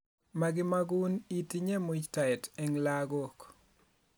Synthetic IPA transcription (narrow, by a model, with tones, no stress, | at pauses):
ma˨ɡɪ˦ma˦ɡunitiɲe˦mut͡ʃta˨ɪ˨tɛ˨ŋlaɡo˦˨k